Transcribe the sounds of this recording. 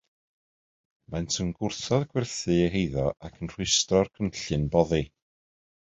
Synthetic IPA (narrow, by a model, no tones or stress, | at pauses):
mantʰənɡʊrθɔðɡwɪrθɨeɦejðɔʔakʰənr̥wɨstɔrkʰənɬɨnbɔði